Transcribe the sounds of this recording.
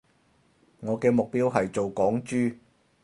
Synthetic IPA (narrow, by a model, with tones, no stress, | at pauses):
ŋɔː˨˧kɛː˧mʊ˨k̚piː˥wɦɐ˨jt͡so˨wkɔː˨˥ŋt͡ʃyː˥